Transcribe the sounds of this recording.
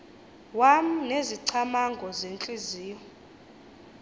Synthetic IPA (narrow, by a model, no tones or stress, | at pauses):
wam̩neziǀʰamaŋɡʱɔzent͡ɬʼiziːjɔ